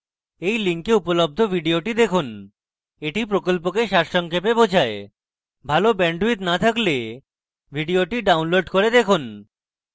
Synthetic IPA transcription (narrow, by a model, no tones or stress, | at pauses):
ejliŋkeupolob̚d̪ʱobʱiɖioʈid̪ekʰun | eʈipɾokolpokeʃaɾʃɔŋkʰepebod͡ʑʱae | bʱalobɛɳɖuit̪nat̪ʰakle | bʱiɖioʈiɖawnloɖkoɾed̪ekʰun